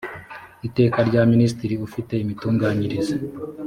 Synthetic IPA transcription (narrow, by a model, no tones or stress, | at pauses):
ite̞ːkaɾɟaːminis̬tiɾiufite̞imituːŋɡaːɲiɾize